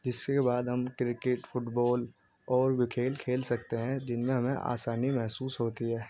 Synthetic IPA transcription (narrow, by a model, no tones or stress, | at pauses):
d͡ʒɪskebaːd̪ɦɐmkɾɪkeʈpʰʊʈbɔːl | ɔːɾwɪkʰeːlkʰeːlsɐkt̪eɦɛ̃d͡ʒɪnmẽɦɐmẽʔa̰ːsaːnimɛɦsuːsɦoːt̪iɦɛː